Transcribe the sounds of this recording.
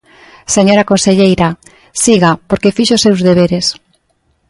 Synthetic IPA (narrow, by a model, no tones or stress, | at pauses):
seɲoɾakonseʎejɾɐ | siɣapoɾkefiʃoʊsewzðeβ̞eɾes